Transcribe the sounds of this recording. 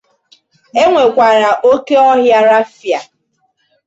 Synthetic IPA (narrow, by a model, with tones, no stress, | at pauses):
e˦ŋʷe˨kʷa˨ɾa˨ʔo˦ke˦ɔ˦ɦja˦ɾa˦fja˨